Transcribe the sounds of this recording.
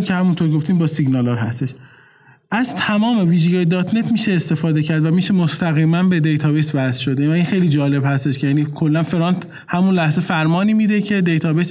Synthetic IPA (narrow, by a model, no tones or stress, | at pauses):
mcʰehæmunt̪ʰoɾɡoft̪iːmbɒːsiɟnɒlɒɾɦæst̪e̞ʃ | ʔæzt̪ʰæmɒːme̞viːʒeɡɒːjed̪ɒːt̪ʰne̞t̪ʰmiːʃeːst̪e̞fɒːd̪e̞cʰæɾd̪væmiːʃemost̪æɣiːmænbe̞d̪ejt̪ʰɒːbesvæzʃo̞d̪evæinxe̞jlid͡ʒɒːle̞bhæst̪e̞ʃcʰejænikʰo̞lːænfeɾɒnt̪ | hæmunlæhze̞fæɾmɒːniːmiːd̪e̞cʰe̞d̪ejt̪ʰɒːbes